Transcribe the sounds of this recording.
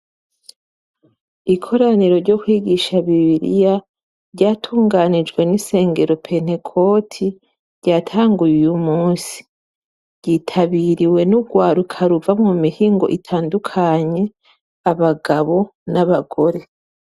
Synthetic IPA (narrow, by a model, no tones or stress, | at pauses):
ikʰo̞ɾaniɾo̞ɾɟo̞kwiːɡiʃaβiβiɾḭja | ɾɟaːtʰuːŋɡanid͡ʒɡwe̞nise̞ːŋɡe̞ɾo̞pʰe̞n̥e̞kʰo̞tʰi | ɾɟaːtʰaːŋɡujujumuːsi̥ | ɾɟiːtʰaβiɾiwe̞nuɡwaːɾukʰaɾuvamŋumihiːŋɡo̞̰ʔitʰaːndukʰaɲe̞ | aβaɡaβo̞naβaɡo̞ɾe̞